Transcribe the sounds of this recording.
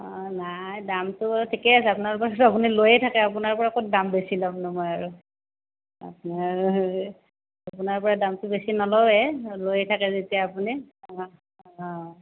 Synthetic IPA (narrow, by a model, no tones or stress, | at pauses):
ɔ̃najdamtʊaɹutʰikɛasɛapʊnaɹpɔɹatapunilojɛtʰakɛapunaɹpɔɹakot̚dambesilamnɔmɔjaɹu | a̰p̚naɹ | apunaɹpɔɹadamtʊbesinɔlɔɛlojɛtʰakɛzetijaːpuni